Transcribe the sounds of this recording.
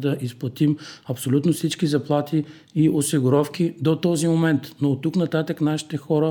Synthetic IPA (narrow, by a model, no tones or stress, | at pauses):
d̪ɐʔisplˠɐt̪imɐpsolʲut̪nofsit͡ʃkizɐplˠat̪i | iʔosiɡʊɾɔfkʲid̪ot̪ɔzimomɛnt̪not̪ːuknɐt̪at̪əknaʃi̥t̪ɛxɔɾə